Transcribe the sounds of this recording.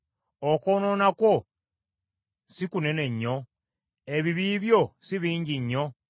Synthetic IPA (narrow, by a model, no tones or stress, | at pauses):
okoːno̞nakwo | sikune̞ne̞ɲːo̞ | e̞βiβiːβjo̞siβiːɲɟiɲːo̞